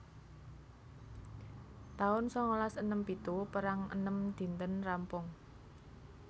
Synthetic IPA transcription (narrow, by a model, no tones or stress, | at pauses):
t̪aʊnsɔŋolasənəmpit̪upəɾaŋə̰nəmd̪̥i̤nt̪ənrampʊŋ